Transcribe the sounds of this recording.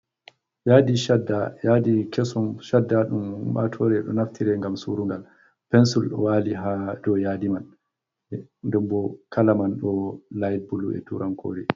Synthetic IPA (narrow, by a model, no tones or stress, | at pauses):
jadiʃadːajadikʰɛsɔnʃadːaɗumuɓa̰tʰɔɾɛɗɔ̰naftʰiɾɛŋɡamsuɾuŋɡal | pɛnsulɗɔ̰waːliɦadɔjaːdiman | ndɛmbɔkalamanɗɔlajd̚bulṵɛ̰tuːɾʔankʰo̰ːɾi